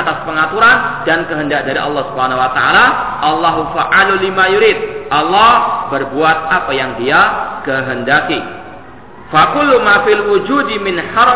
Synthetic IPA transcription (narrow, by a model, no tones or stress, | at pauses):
t̪aspəŋat̪uɾandankəɦəndak̚daɾiʔɑ̰lːɑhsubhanawat̪aʔa̰laʔɑlːɑɦufaʔalulimajuɾid̪̚ʔɑlːɔhbərbuat̪̚apajaŋdiakəɦəndaki | fakʊlːumafilwud͡ʒudimɪnħɑ